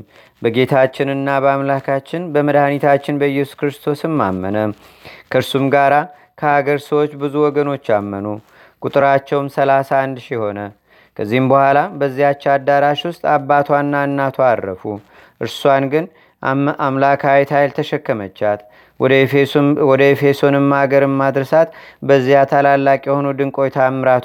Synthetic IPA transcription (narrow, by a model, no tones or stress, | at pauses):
bəɡe̞t̪ʰat͡ʃːɪnɨnːabəamlakʰat͡ʃːɪnbəməd̪hanit̪ʰat͡ʃːɪnbəjːɛsu̥kɨɾɨst̪ʰo̞sɨmːamːənə | kʰəɨɾsumɡaɾa | kʰəhaɡəɾsəwot͡ʃːbɨzuwɔɡəno̞t͡ʃːamːənu | kʼut̪ʼɨɾat͡ʃːɛwmsəlasaːnd̪ʃiho̞nə | kʰəzːihɨmbəhʷalabəzːihat͡ʃːɛad̪ːaɾaʃwʊst̪ʼabːat̪ʰwanːanːat̪ʰoaːə̰fu | ʔɨɾswanɡɨn | amlakʰajt̪ʰajlt̪ʰəʃɛkːəmət͡ʃːat̪ | wɔd̪əefe̞so̞nɨmːaɡəɾɨmːad̪ɾəsat̪bəzːijat̪ʰalalːakʼjɛho̞nud̪ɨŋkʼo̞jt̪ʰamːɨɾat̪